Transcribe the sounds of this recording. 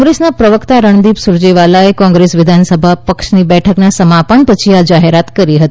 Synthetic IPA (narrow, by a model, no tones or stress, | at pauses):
ɡɾesnapɾəʋəkt̪aɾəɳd̪ipsuɾd͡ʑeʋalaekɔ̃ŋɡɾesʋɪd̪ʱansəbʱapəkʂniːbɛʈʰəknasəmapəɳpət͡ʃʰiad͡ʒaɦeɾat̪kəɾiɦət̪i